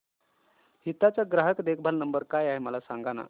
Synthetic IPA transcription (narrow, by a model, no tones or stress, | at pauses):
hit̪at͡saɡɾaɦəkd̪ekʰbʱalnəmbəɾkajaɦeməlasaŋɡana̰